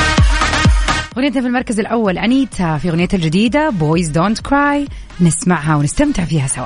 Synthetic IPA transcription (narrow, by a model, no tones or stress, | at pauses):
ɣʊnjat̪nafilmɑɾˤkazɪlʔawːalʔaniːt̪afiɣʊnjat̪ald͡ʒɪd̪iːd̪aboːjzd̪ont̪kɾˤaːj | nɪsmaʕɦawnɪst̪amt̪ɪʕfiːhasawa